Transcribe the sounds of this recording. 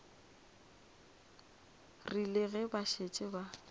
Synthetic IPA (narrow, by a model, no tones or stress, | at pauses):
rilɪɣɪbaʃet͡ʃʼɪba